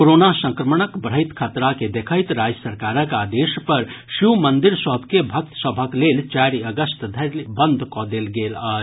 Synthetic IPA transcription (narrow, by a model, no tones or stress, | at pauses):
koɾonasə̃ŋkɾəməɳ̃əkbəɾɦəɪt̪kʰət̪ɾaked̪ekʰəɪt̪ɾad͡ʒəsəɾkaɾəkad̪espəɾsiwmənd̪iɾsəɦbʱkebʱək̚t̪səbʱəklelt͡ʃaɾiəɡəst̪d̪ʱəbənd̪ʱkɔd̪elɡeləː